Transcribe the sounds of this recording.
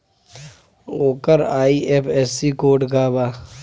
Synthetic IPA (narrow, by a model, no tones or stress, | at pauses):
oːkəɾaːiʔepʰɛːsikoːɖɡaːbaː